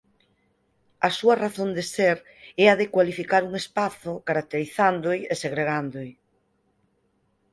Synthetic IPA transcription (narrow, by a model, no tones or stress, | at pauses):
ɐsuɐraθond̪eseɾ | ɛaðekwalifikaɾuŋespaθʊkaɾak̚t̪eɾiθand̪oɪeseɣɾeɣand̪ʊɪ